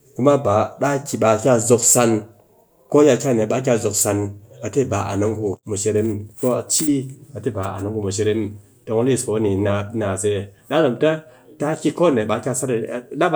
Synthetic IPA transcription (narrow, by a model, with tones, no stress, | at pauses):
ku˦ma˦ba˨ɗa˦ki˨ɓa˨kʲa˧zo˧ksa˧n | ko˦ja˧kʲa˦ne˨ɓa˧˦k̬ʲa˧zo˨ksa˧na˨te˦˨ba˨ʔa̰˨no˦ŋku˧mu˨ʃe˧ɾe˦m˦ko˦a˧t͡ʃi˦a˨te˦˨ba˨a̰˨no˦ŋku˨mu˨ʃ̬e˧ɾe˦m | to˧ŋ˦li˦˨sko˨˦ni˨na˧na˨se˧˨ɗa˦zo˨mta˦ta˦kʲi˧ko˦ne˨ɓa˧˦kʲa˧sa˦ɾɗa˦ɓ